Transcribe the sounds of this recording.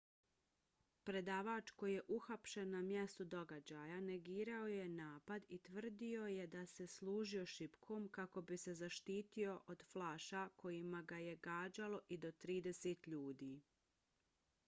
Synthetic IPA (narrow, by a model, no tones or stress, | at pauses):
pɾe̞d̪aːʋaːt͡ʃko̞jije̞ʔuxapʃe̞nːamjest̪ud̪o̞ɡad͡ʑajane̞ɡiːɾao̞je̞naːpad̪it̪ʋr̩d̪io̞je̞d̪ase̞slˠuːʒio̞ʃipkʰo̞ːmkako̞bise̞zaʃt̪iːt̪io̞ʔod̪flaːʃako̞jimaɡaje̞ɡaːd͡ʑalo̞ʔid̪o̞t̪ɾiːd̪e̞set̪ʎuːd̪iː